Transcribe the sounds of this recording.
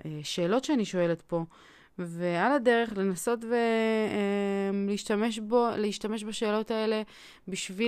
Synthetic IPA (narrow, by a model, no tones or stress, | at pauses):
eʃe̞ːlo̞tʃeaniʃo̞e̞le̞tpo̞ | ve̞alade̞ʁe̞χle̞naso̞tve | mliiʃtameʃboleiʃtame̞ʃbaʃe̞ːlo̞tae̞le̞ | biʃvi